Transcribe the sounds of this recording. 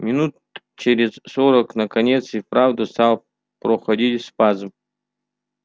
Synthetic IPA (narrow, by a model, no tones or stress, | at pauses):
mʲɪnut̪ | t͡ʃeɾʲɪzsoɾəknəkɐnʲet̪sifpɾavd̪ɨst̪alˠ | pɾoxɐdʲitʲspazɨm